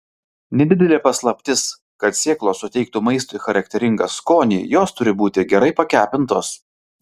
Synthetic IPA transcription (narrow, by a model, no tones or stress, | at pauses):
nʲɛd̪ʲɪd̪ʲɛlʲeːpɐslˠɐpʲt̪ʲɪs | kɐt̪sʲeːklˠoːsʊt̪ʲɛɪk̚t̪uːmɐɪst̪oɪxɐɾɐkt̪ʲɛɾʲɪŋɡɐskoːnʲḭːjoːst̪ʊɾʲɪbuːt̪ʲɪɡʲɛɾɐɪpɐkʲæːpʲɪnt̪oːs